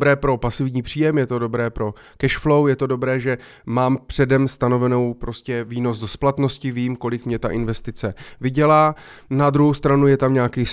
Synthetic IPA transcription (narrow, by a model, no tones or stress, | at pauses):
bɾɛːpɾo̞pasɪvɲiːpr̝̥iːjɛmjɛt̪o̞do̞bɾɛːpɾo̞ | kɛʃflo̞wjɛt̪o̞do̞bɾɛːʒɛ | maːmpr̥ɛdɛmst̪ano̞vɛno̞wpɾo̞scɛviːno̞zdosplat̪no̞scɪviːmko̞lɪkmɲɛt̪aʔɪnvɛst̪ɪt͡sɛvɪɟɛlaː | nad̪ɾuɦowst̪ɾanujɛt̪amɲaːkiː